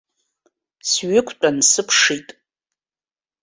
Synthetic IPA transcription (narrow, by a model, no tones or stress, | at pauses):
sɥɪkʷʰʼt͡pʷʼansɨpʰʂitʼ